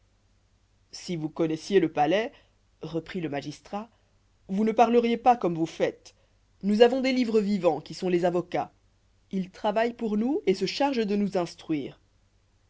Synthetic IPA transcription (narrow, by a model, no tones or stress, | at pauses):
sivukɔnɛsjeləpalɛ | ʁəpχiləmaʒist̪χa | vunəpaʁləʁjepakɔmvufɛt̪ | nuzavɔ̃d̪elivʁəvivɑ̃kʲisɔ̃lezavɔka | ilt̪χavajpuʁnuesəʃaʁʒd̪ənuzɛ̃st̪χɥiːʁ